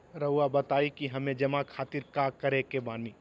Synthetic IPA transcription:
ɾəuabɐt̪aːikiɦɐmẽd͡ʒɐmakʰaːt̪iɾkaːkəɾekebãːni

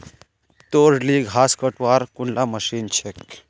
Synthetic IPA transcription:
t̪oɾliɡaːskəʈʋaːɾkunlaməʃint͡ʃʰek

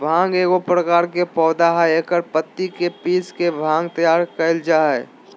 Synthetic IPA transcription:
bʱãːŋɡeːɡopɾəkaːɾkepɔːd̪aɦɛeːkəɾpət̪ːikepiːskebʱãːŋɡt̪əjaːɾkɐɪld͡ʒaːɦɛ

